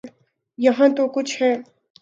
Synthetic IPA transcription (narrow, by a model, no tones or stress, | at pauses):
jɐɦãt̪okʊt͡ʃʰhɛː